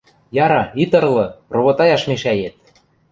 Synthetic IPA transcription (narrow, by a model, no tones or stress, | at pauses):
jɑɾɑit̪ɤ̆rlɤ̆roβot̪ɑjɑʃmeʃæjet̪̚